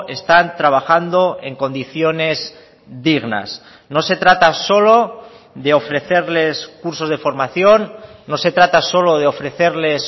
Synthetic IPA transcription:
e̞st̪ant̪ɾaβ̞axand̪o̞e̞ŋko̞nd̪iθjo̞ne̞z | d̪iɣna̰s | no̞se̞t̪ɾat̪aso̞lo̞ | ðe̞o̞fɾe̞θe̞ɾle̞skuɾso̞zð̞efo̞ɾmaθjo̞nːo̞se̞t̪ɾat̪aso̞lo̞ð̞eo̞fɾe̞θeɾle̞s

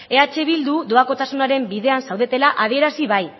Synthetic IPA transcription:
e̞at͡ʃe̞βild̪ud̪oako̞t̪asunaɾe̞mbiðe̞ansawð̞et̪e̞laʔað̞ie̞ɾasiβ̞aj

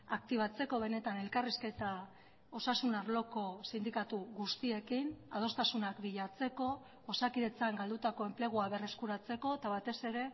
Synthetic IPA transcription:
ak̚t̪iβ̞at͡se̞ko̞β̞e̞ne̞t̪ane̞lkariske̞t̪a | o̞sasunaɾlo̞ko̞sind̪ikat̪uɣust̪ie̞kina̰ð̞o̞st̪asunakbiʎat͡se̞ko̞ː | sakiðe̞t͡saŋɡald̪ut̪ako̞e̞mple̞ɣ̞uaβe̞re̞skuɾat͡se̞ko̞t̪aβ̞at̪e̞se̞ɾe̞

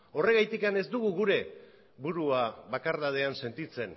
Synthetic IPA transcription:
o̞re̞ɣajt̪ikane̞zd̪uɣ̞uɣuɾe̞ | βuɾuaβakaɾðað̞e̞anse̞nt̪it͡se̞n

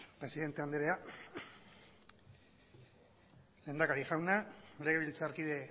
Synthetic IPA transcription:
pɾe̞siðe̞nt̪e̞and̪eɾea | le̞ːnd̪akaɾiʝawnale̞ɣeilt͡saɾkiðe̞

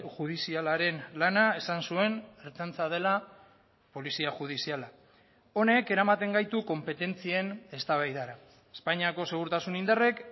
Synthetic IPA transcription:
ʝuð̞isialaɾe̞nlanae̞sansue̞neɾt͡sant͡sað̞e̞la | po̞lisiaʝuð̞isiala | o̞ne̞ke̞ɾamat̪e̞ŋɡajt̪uko̞mpe̞t̪e̞nt͡sie̞ne̞st̪aβajðaɾa | e̥spaɲiako̞se̞ɣ̞uɾt̪asunind̪are̞k

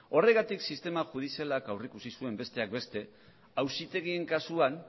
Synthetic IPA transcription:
o̞re̞ɣat̪iksist̪e̞maʝuð̞isialakawrikusisue̞mbe̞st̪e̞ak̚be̞st̪e̞ | awsit̪e̞ɣ̞ie̞ŋkasuan

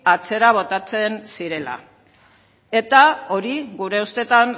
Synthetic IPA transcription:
at͡se̞ɾaβ̞o̞t̪at͡se̞nsiɾe̞la̰ | e̞t̪ao̞ɾiɣuɾe̞ust̪e̞t̪an

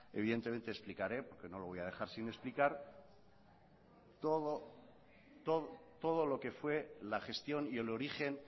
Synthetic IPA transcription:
eβ̞iðe̞nt̪e̞ment̪eːsplikaɾe̞po̞ɾke̞no̞lo̞βo̞jað̞e̞xaɾsine̞splikaɾ | t̪oðo | t̪oðot̪o̞ð̞olo̞ke̞fwe̞laχe̞st̪jo̞nielo̞ɾixe̞n

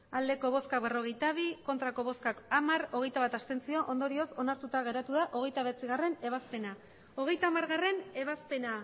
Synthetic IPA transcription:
ald̪e̞ko̞β̞o̞skakβe̞ro̞ɣ̞e̞jt̪aβ̞iko̞nt̪ɾako̞β̞o̞skakamaɾo̞ɣe̞jt̪aβat̪ast̪e̞nt͡sio̞ʔond̪o̞ɾio̞so̞naɾt̪ut̪aɣe̞ɾat̪uðaʔo̞ɣ̞e̞jt̪aβet͡siɣ̞are̞ne̞β̞aspe̞na | o̞ɣ̞e̞jt̪aːmaɾɣare̞ne̞β̞aspe̞na

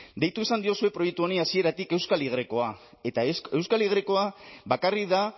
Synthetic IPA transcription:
d̪e̞jt̪uisand̪io̞sue̞pɾo̞jekt̪uo̞niasie̞ɾat̪ike̞wskaliɣ̞ɾeko̞a | e̞t̪ae̞wskaliɣ̞ɾeko̞abakariða

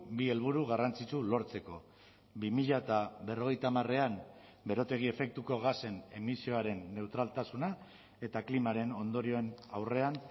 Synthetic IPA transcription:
bie̞lβ̞uɾuɣ̞arant͡sit͡ʃulo̞ɾt͡se̞ko̞ | bimiʎat̪aβe̞ro̞ɣ̞e̞jt̪aːmare̞am | be̞ɾo̞t̪e̞ɣ̞ie̞fe̞k̚t̪uko̞ɣase̞ne̞misio̞aɾe̞nːe̞wt̪ɾalt̪asuna | e̞t̪aklimaɾe̞no̞nd̪o̞ɾio̞e̞nawre̞an

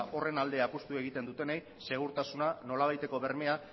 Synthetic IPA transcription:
ʔo̞re̞nald̪e̞apust̪ue̞ɣ̞it̪e̞nd̪ut̪e̞nej | se̞ɣ̞uɾt̪asunano̞laβ̞ajt̪e̞ko̞βe̞ɾme̞a

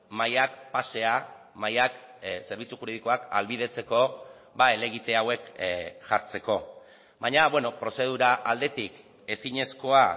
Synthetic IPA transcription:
majakpase̞a | majak | se̞ɾβ̞it͡suxuɾeð̞iko̞aka̰lβiðe̞t͡se̞ko̞ | bae̞le̞ɣ̞it̪e̞awe̞kʝaɾt͡se̞ko̞ | βaɲaβweno̞pɾo̞se̞ð̞uɾaʔald̪e̞t̪ik | e̞siɲe̞sko̞a

